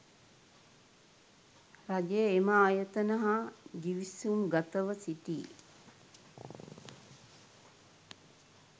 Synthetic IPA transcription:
raɡejəeməaːjət̪ənəɦaɡiʋisumɡat̪əʋəsiʈḭː

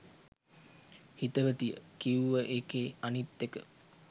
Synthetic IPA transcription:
hit̪əʋət̪ijə̰kiuʋəʔekeːanit̪ːekə̰

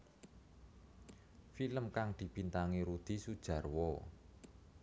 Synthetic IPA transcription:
filəmkaŋd̪̥i̤b̥i̤nt̪aŋiɾud̪̥i̤sud̥ʒ̥ä̤rwɔ

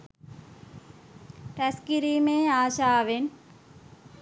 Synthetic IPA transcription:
pɛskiɾimẽaːʃaʋen

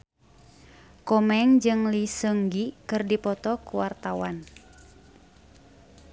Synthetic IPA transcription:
kɔmɛŋd͡ʒɨŋlisəŋɡikɨrdipɔt̪ɔkuwart̪awan

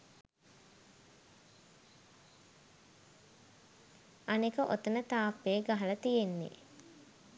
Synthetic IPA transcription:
ɐnekəʔot̪ənət̪aːpːeːɡaɦɐlət̪ijenːḛ

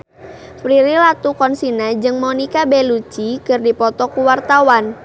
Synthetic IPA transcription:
fɾiɾilat̪ukɔnsinad͡ʒɨŋmɔnikabelut͡ʃikɨrdipɔt̪ɔkuwart̪awan

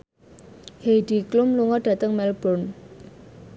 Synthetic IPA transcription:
hejd̥i̤klʊmluŋɔɖ̥ä̤t̪əŋmɛlb̥ɔn

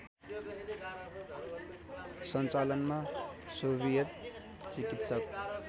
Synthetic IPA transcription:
sʌnt͡salʌnmasoβijʌt̪̚ | t͡sikit̪sʌk

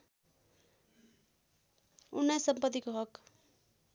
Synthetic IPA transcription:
unːʌjsʌmpʌt̪ikoɦʌk

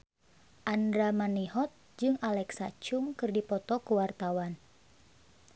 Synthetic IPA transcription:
ʔandɾamaniɦɔt̪̚ | d͡ʒɨŋalɛksat͡ʃʊŋkɨrdipɔt̪ɔkuwart̪awan

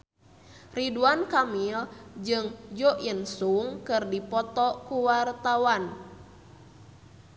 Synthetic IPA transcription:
riduankamild͡ʒɨŋd͡ʒɔʔinsuŋkɨrdipɔt̪ɔkuwart̪awan

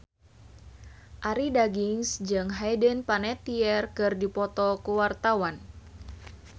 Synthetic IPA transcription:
ʔaɾidaɡiŋsd͡ʒɨŋɦajdənpanɛt̪iɛrkɨrdipɔt̪ɔkuwart̪awan

